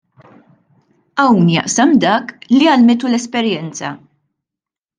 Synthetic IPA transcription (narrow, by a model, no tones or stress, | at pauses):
ɐwnjɐ̰ʔsɐmd̪ɐːkliɐlmɪt̪̬ulɛspɛɾjɛnt͡sɐ̰